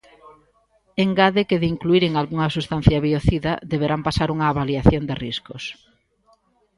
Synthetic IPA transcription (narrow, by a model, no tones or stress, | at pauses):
eŋɡaðekeðɪiŋkluiɾeŋalɣuŋɐsust̪an̟θjɐβioθiðɐðeβeɾampasaɾuŋɐːβaliaθjond̪ɪriskʊs